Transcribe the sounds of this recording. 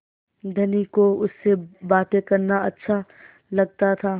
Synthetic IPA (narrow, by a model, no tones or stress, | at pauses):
d̪ʱɐnikoʊsːebaːt̪ẽkɐɾnaɐtːʃʰa | lɐɡ̚t̪at̪ʰaː